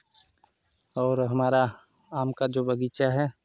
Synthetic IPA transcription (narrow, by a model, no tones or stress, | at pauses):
ɔːɾɦɐmaːɾa | aːmkad͡ʒoːbɐɡiːt͡ʃaɦɛː